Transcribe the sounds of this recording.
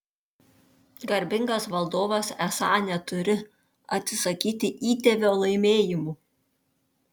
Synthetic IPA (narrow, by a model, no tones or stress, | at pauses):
ɡɐɾʲbʲɪŋɡɐsʋɐlˠd̪oːʋɐsɛsɑ̰ːnʲɛt̪ʊɾʲɪ | ɐt̪ʲsʲɪsɐkʲiːt̪ʲɪʔiːt̪ʲɛʋʲoːlˠɐɪmʲeːjɪmuː